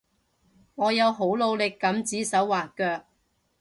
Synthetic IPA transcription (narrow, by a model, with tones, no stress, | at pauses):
ŋɔː˨˧jɐ˨˧wɦo˨˥wlo˨˧wlɪ˨kːɐ˨˥mt͡siː˨˥sɐ˨˥wːaː˨kœː˧k̚